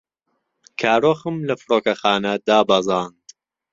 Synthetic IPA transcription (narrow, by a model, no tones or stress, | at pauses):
kʰaːɾoːxɨmlɐfɨɾoːkɐxaːnɐd̪aːbɐzˤɑːnd̪̥